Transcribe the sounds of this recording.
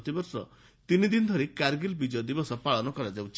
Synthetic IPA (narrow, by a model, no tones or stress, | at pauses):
t̪ibɔɾsɔ̰ | t̪inid̪ind̪ʱɔɾikaɾɡilbid͡ʒɔd̪ibɔsɔpaɭɔnɔkɔɾad͡ʒawt͡ʃ